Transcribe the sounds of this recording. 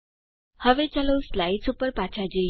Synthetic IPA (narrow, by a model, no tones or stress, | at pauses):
həʋet͡ɕaləwslait͡supəɾpat͡ɕad͡ʑe